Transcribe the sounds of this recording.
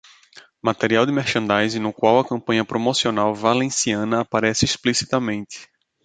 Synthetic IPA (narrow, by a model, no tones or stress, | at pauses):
mat̪eɾiawd̪ɪmɛɾʃɐ̃nd̪ajzɪnʊkwawɐkɐ̃mpɐ̃ɲɐpɾomosionawvalẽsiɐ̃nɐːpaɾɛsɪisplisi̥t̪ɐmẽnt̪ɪ̥